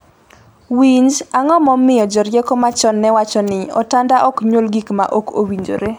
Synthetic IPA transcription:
wiɲd͡ʒaŋɔmɔmɪjɔd͡ʒɔɾjɛkɔmat͡ʃɔnːɛwat͡ʃɔnɪɔ̰tandaʔɔkɲwolɡikma̰ʔoko̰wiɲd͡ʒo̰ɾe

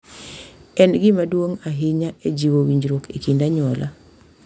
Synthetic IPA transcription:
ɛnɡɪmadwoŋaɦɪɲaed͡ʒiwowiɲd͡ʒɾokekindaɲɔlʔa

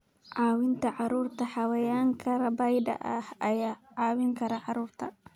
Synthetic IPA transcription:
ʕaːwɪnt̪ʰɐʕɑɾuːrt̪ʰɐħɑwɐjaːŋkʰɐɾɐbɐjd̪ɐ̰ʔɐhɐjaːʕaːwɪŋkʰɐɾɐʕɑɾuːrt̪ʰɐ̰

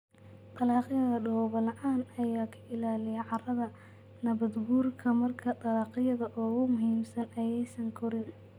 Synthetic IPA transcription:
d̪ɐlɑːqɪjɐðɐɖɔwβɐlɑʕɑːnɐjaːkʰɐ̥ʔɪlaːlɪjɐʕɑrɐðɐ | nɐβɐd̪ɡuːrkʰɐmɐrkʰɐd̪ɐlɑːqɪjɐðɐʔɔːɣʊmʊɦiːmsɐnɐjɛjsɐŋkʰɔɾɪn

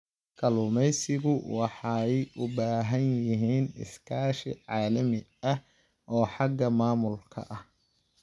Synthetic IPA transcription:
kʰɐlʊmɛjsɪɣʊwɑħɑɛjʔʊbaːɦɐnjɪɪɦiːnɪ̰skʰaːʃɪʕɑːlɐmɪ | ɐh | ʔɔːħɑɡɐmaːmʊlkʰɐ̰ʔɐh

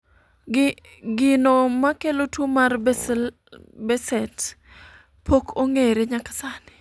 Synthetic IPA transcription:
ɡɪnomakelotwomar | bɛsɛt | pʰokoŋeɾeɲakḁsanɪ̥

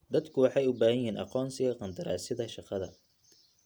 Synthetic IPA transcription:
d̪ɐd̪kʰʊwɑħɑjʊbaːhɐjiːnʔɑ̰qɔːnsɪɣɐqɑnd̪ɐɾa̰ːsɪðɐʃɑqɑðɐ

